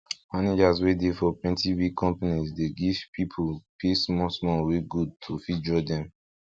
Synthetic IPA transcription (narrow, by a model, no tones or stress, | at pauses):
maned͡ʒazwedefɔpwɛ̃ntiwikʰɔ̃mpanizdeɡiv̥pʰipʰolpʰesmɔsmɔweɡud̚tʰufid͡ʒɔdɛ̃m